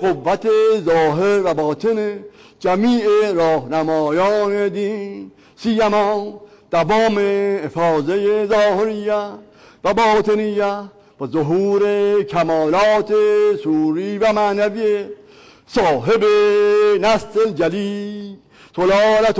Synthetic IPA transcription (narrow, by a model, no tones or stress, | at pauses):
ɡovːat̪ezɔːɦeɾvabɔːt̪ʰene | d͡ʒamiːeɾɔːhnamɔːjɔːned̪ĩn | sijamɔn | d̪̥avɔːmeːfɔːzejezɔːheɾijːa | vabɔːt̪ʰenija | b̥ɔzoɦuːɾekʰamɔːlɔːt̪ʰesuːɾivamanavie | sɔːɦebenast̪eld͡ʒaliː | solɔːlat̪